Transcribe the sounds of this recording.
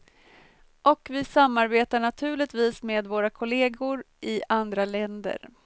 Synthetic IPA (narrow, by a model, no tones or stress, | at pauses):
ʔɔkvɪsamːaɾbeːt̪aɳat̪ʰʉ̟ːɭɪt̪viːsmeːd̪voːɾakʰʊleːɡʊɾ | ʔɪʔand̪ɾalɛnd̪ə̰ɾ